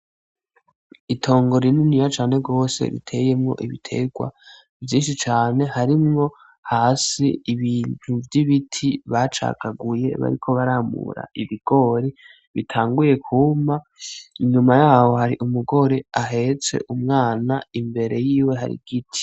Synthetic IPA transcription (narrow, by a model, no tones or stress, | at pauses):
itʰo̞ːŋɡo̞ɾininijat͡ʃaːne̞ɡo̞ːse̞̰ɾḭtʰe̞je̞mŋo̞̰ʔiβitʰe̞̰ɡwa̰ | vjiːnʃit͡ʃaːne̞haɾimŋo̞ | haːsiːβiːnn̥uvjiβitʰiβat͡ʃa̰ːkaɡuje̞̰βa̰ɾikʰo̞βaɾamṵɾa̰ʔiβiɡ̥o̞ɾi | βitʰaːŋɡuje̞kʰuma | iɲumajaːho̞haɾiʔumuɡo̞ɾe̞aɦe̞t͡se̞̰ʔumŋaːnaimbe̞ɾe̞jiːwe̞ɦa̰ɾḭɡ̥itʰi̥